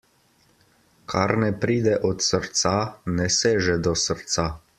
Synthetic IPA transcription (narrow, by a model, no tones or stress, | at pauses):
kʰaɾnɛpɾiːd̪ɛʔɔt̪səɾt̪sanɛseːʒɛd̪ɔsəɾt̪sa